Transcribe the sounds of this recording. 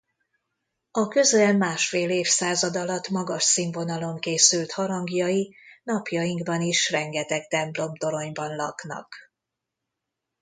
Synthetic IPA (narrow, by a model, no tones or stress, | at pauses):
ɒkø̞zɛlmaːʃfeːleːfsaːzɒd̪ɒlɒt̪mɒɡɒʃsiɱvo̞nɒlo̞ŋkeːsylt̪hɒɾɒŋɡjɒjinɒpjɒjiŋɡbɒniʃrɛŋɡɛt̪ɛkt̪ɛmplo̞mt̪o̞ɾo̞ɲbɒnlɒknɒ̰k